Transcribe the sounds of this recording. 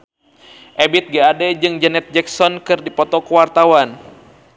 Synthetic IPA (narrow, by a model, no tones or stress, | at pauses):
ʔɛbit̪̚ɡɛadɛd͡ʒɨŋd͡ʒɛnɛt̪̚d͡ʒɛksɔnkɨrdipɔt̪ɔkəwart̪awan